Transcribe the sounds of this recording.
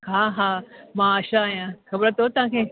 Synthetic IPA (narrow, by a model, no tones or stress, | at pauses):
haːɦaːmãəʃãaːjãxɐbɾət̪ot̪ɐʋãkʰeː